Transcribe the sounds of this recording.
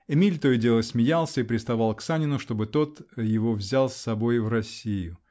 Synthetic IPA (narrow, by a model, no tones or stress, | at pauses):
ɛmʲilʲt̪ojɪdʲe̞lˠəsʲmʲɪjalˠsʲəipɾʲɪst̪ɐvalˠksanʲɪnʊʂt̪o̞bɨt̪o̞t̪jɪvo̞vzʲalˠsːɐbo̞jvrɐsʲijʊ